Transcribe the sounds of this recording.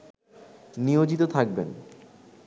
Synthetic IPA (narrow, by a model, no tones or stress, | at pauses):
nijod͡ʑit̪ot̪ʰak̚bḛn